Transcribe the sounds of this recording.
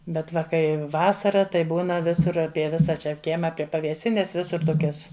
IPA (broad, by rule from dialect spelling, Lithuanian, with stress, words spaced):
ˈbʲɛt ˈʋɐ ˈkɐɪ ˈʋɑːsɐrɐ tɐɪ ˈbuːnɐ ˈʋʲɪsʊr ˈɑːpʲiɛ ˈʋʲɪsɐ t͡ʃʲɛ ˈkʲiɛmɐ ˈɑːpʲiɛ pɐʋʲeːˈsʲɪnʲɛs ˈʋʲɪsʊr ˈtoːkʲɛs